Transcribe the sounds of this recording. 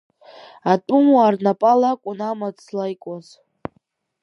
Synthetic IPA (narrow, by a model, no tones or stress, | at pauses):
atʼumwaːrnapʼalakʷʼʊnamat͡slajkʷʼoz